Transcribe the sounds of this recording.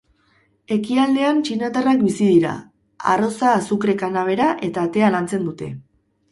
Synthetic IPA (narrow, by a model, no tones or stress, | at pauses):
e̞kiald̪e̞ant͡ʃinat̪arak̚bisiðiɾa̰ | a̰ro̞saːsukɾe̞kanaβ̞e̞ɾaʔe̞t̪aːt̪e̞alant͡se̞nd̪ut̪e̞̰